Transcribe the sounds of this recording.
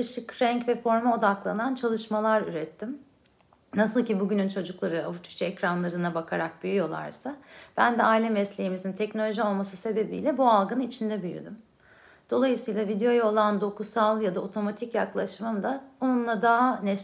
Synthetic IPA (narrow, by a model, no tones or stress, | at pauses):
ɯʃɯkɾɛɲcvɛfo̞ɾmao̞d̪aklˠa̰nant͡ʃʰalˠɯʃmalˠaɾy̰ɾɛt̪ʰːim | nasɯlˠcibuɟynynt͡ʃʰo̞d͡ʒuklˠaɾɯavut͡ʃ̪ʰy̥t͡ʃʰɛɛcɾanlˠaɾɯnabakʰaɾak̚byjyjo̞lˠa̰ɾsab̥ænd̪ɛailʲɛmɛslʲejimizint̪ʰɛcnolʲo̞ʒio̞lˠmasɯse̞be̞bḭːlʲɛbualˠɡɯnɯnit͡ʃʰind̪ɛbyjy̰d̪ym | d̪̥o̞lˠajɯsɯjlˠavid̪ejo̞jolˠand̪o̞kusalˠjad̪ao̞t̪ʰo̞mat̪ʰicjaklˠaʃɯmɯmd̪aonunlˠad̪aɦanɛ